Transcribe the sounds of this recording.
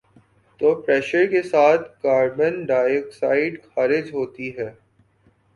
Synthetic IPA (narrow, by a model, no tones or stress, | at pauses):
t̪oːpɾɛːʃəɾkesaːt̪ʰkaːɾbənɖaːjəksaːɪɖxɐːɾɪd͡ʒɦoːt̪iɦɛː